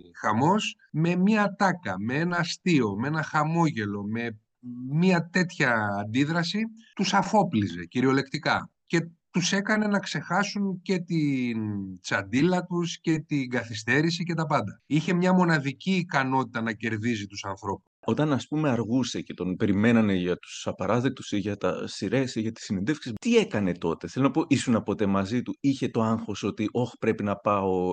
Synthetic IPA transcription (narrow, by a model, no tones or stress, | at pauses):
xɐmo̞s | me̞miɐt̪ɐkɐmeenɐst̪io̞mee̞nɐxɐmo̞ʝe̞lo̞me̞ | miɐt̪e̞t̪çɐːnd̪iðɾɐsit̪usɐfo̞plize̞ciɾio̞le̞kt̪ikɐ̰ce̞t̪use̞kɐne̞nɐkse̞xɐsuɲce̞t̪int͡sɐnd̪ilɐt̪usce̞t̪iŋɡɐθist̪e̞ɾisice̞t̪ɐpɐnd̪ɐiçe̞mɲɐmo̞nɐðiciːkɐno̞t̪it̪ɐnɐce̞ɾðizit̪usɐnθɾo̞pu̥so̞t̪ɐnɐspume̞ɐɾɣuse̞ce̞t̪o̞npe̞ɾime̞nɐne̞ʝɐt̪u̥sɐpɐɾɐðe̞k̚t̪u̥siʝɐt̪ɐ̰siɾe̞siʝɐt̪i̥sinend̪e̞fksist̪ie̞kɐne̞t̪o̞t̪e̞θe̞lo̞nɐpo̞ʔisunɐpo̞t̪e̞mɐzit̪uiçe̞t̪o̞ɐŋxo̞so̞t̪iʔo̞xpɾe̞pinɐpɐo̞